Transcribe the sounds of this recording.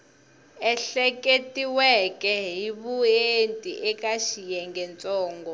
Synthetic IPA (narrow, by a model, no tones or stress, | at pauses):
ɛɬɛkʼetʼiwɛkʼɛɦiβuentʼiʔɛkʼaʃijɛŋɡɛnt͡sʼɔːŋɡɔ